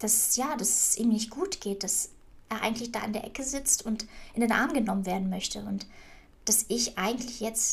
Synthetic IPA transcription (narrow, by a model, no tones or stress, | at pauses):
d̥asjaːd̥asʔiːmnɪçt̚ɡ̥uːtɡ̥eːt̚d̥as | ʔeːɐʔa̰ɪɡŋ̩tlɪçd̥a̰ːɪ̰ndeːɐʔɛkəzɪt͡stʊntʔɪndeːnʔa̰ɐmɡənɔmənveːɐdn̩mœçtʰəʊnt | d̥asʔɪçʔaɪɡŋ̩tʰlɪçjɛt͡st